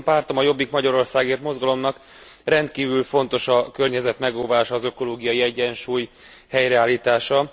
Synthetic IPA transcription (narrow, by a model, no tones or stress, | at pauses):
mpaːrt̪o̞mɒjo̞bːikmɒɟɒɾo̞rsaːɡeːrt̪mo̞zɡɒlo̞mnɒk | rɛnt̪kiːvylfo̞n̪t̪o̞ʃɒkørɲɛzɛt̪mɛɡoːvaːʃɒːzø̞ko̞loːɡijɒjiɛɟːɛnʃuːjhɛjɾɛaːlːiːt̪aːʃɒ